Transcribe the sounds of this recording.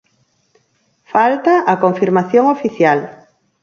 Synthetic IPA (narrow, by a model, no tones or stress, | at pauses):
falt̪aʔakoɱfiɾmaθjoŋofiθjal